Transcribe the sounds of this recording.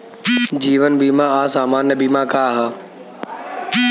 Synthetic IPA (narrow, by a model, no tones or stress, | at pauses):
d͡ʑiːʋənbiːmãaːsaːmaːnjəbiːmãkʰaːɦaː